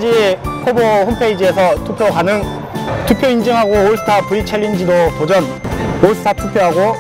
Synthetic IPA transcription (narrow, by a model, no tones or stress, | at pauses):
d͡ʑihʰobohompʰe̞id͡ʑie̞sʰʌtʰupʰjoɦanɯn | tʰupʰjoind͡ʑɯŋɦaɡoːsʰɯ̥tʰapuit͡ɕʰeʎːind͡ʑidokod͡ʑʌn | oɭsʰtʰatʰupʰjoɦaɡo